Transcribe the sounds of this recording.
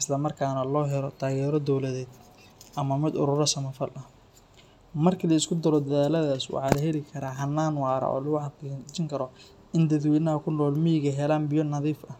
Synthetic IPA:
ɪslɐmɐrkʰaːnɐlɔːɦɛlɔt̪ʰaːɣɛːɾɔd̪ɔwlɐðɛːd̪ | ʔɐmɐmɪd̪ʊ̰ɾʊɾɐsɐmɛfɐlɐ | mɐrkʰilɐɪskʰʊd̪ɐɾɔd̪ɐðaːlɐðaːswɑ̰ħɑːlɐɦɛlɪkʰɐɾaːɦɐnːaːnwɑːɾɐ̰ʔɔ̰ːlɐɣʊħɑt͡ʃɪŋkʰɐɾɔ | ʔɪnd̪ɐðwɛːnɐɦɐkʰʊnɔːlmɪjɪɣɐɦɛlaːnbɪjɔnɐðiːfɐ

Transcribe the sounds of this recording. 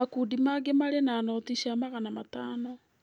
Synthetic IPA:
akudimaɡemaɾenaːnɔtiʃamaɣanamataːnɔ

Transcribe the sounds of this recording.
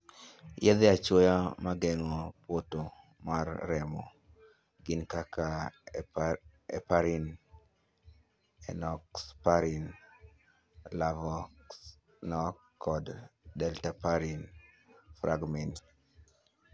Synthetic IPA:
jɛd̪ɪat͡ʃwojamaɡɛŋɔpoto | marːɛmɔ̰ | ɡɪnkaka | ɛpaɾin | ɛ̰nɔkspaɾin | lavɔk | nɔ | kɔddɛltapaɾin | fɾaɡmɛnt

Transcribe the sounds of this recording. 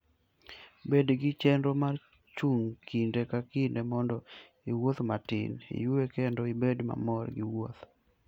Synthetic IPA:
bedɡɪt͡ʃɛndomar | t͡ʃuŋkʰindekakɪndemɔndɔ | iwot̪matɪ̰nḭjuekendɔɪbedma̰mɔrɡɪwot̪

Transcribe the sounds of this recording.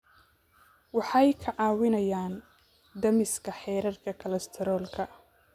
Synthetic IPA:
wɑħɑjkʰɐʕɑːwɪnɐjaːn | d̪ɐmɪskʰɐħɛːɾɐrkʰɐkʰɐlɐst̪ʰɛɾɔːlkʰɐ

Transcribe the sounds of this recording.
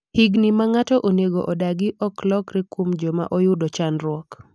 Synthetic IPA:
hiɡnimaŋatɔʔoneɡoʔɔdaɡɪʔɔklɔkɾɪkumd͡ʒɔma̰ʔojʊdot͡ʃanɾwɔk

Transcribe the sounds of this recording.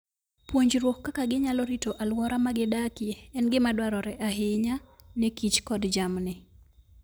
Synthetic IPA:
pwoɲd͡ʒɾwokːakaɡɪɲalɔɾitoʔalwɔɾamaɡɪdakjeɛnɡɪmadwaɾɔɾɛʔaɦɪɲanɛkit͡ʃkɔdd͡ʒamnɪ

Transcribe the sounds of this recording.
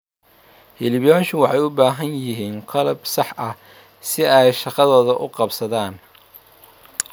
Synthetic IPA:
hɪlɪbjɔːʃʊwɑħɑjʊbaːɦɐnjɪɦiːnqɑlɐbsɑħʔɐ | sɪɛjʃɑqɑðɔːðɐʔʊqɑbsɐðaːn

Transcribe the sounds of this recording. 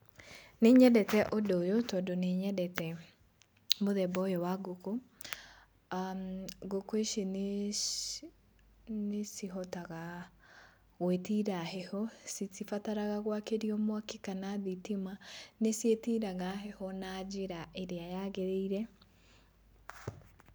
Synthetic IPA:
neɲɛdɛtɛʔodojotɔdoneɲɛdɛtɛ | moðɛbɔjɔwaɡoko | aɡokoeʃene | nesiɦɔtaɣa | ɣwetiɾaɦɛhɔsisifataɾaɣaɣwakeɾiɔmwakekanaðitimanesjetiɾaɣaɦɛhɔnad͡ʑeɾaeɾeajaɣeɾeiɾɛ

